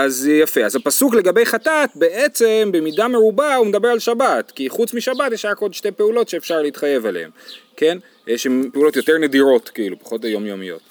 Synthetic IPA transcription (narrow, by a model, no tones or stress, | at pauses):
azjafe̞azapasukle̞ɡabe̞jχatat̪be̞ʔet͡se̞mbemidame̞ʁubaumed̪abe̞ʁalʃabatkiχut͡smiʃabatjeʃajakodʃte̞jpe̞ulo̞tʃe̞ːfʃaʁleit̪χaje̞valḛemke̞n | jeʃhempeulo̞tjo̞te̞ʁne̞diʁo̞tkiilupḁχo̞tejo̞mjomijo̞̰t